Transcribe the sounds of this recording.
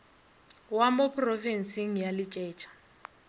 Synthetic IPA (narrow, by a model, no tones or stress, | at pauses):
wamopʰʼrɔvɛn̩siŋ̩jalɪt͡ʃʼɛːt͡ʃʰʼḁ